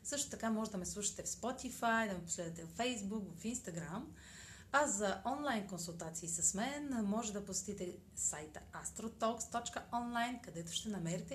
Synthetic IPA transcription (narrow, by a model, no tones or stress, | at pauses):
sɤʃt̪o̥t̪ɐkamɔʒɛd̪ɐmɛslˠuʃi̥t̪ɛfspɔt̪ifajd̪ɐmɛposlɛd̪ət̪ɛvfɛjzbukvɐfinst̪ɐɡɾam | ɐzɐʔɔnlˠajnkonsulˠt̪at̪siːsɐsmɛnmɔʒɛd̪ɐposɛ̥t̪it̪ɛ | sajt̪əast̪ɾot̪ɔkst̪ɔt͡ʃkəɔnlˠajnkɐd̪ɛt̪ʊ̥ʃt̪ɛnɐmɛɾit̪ɛ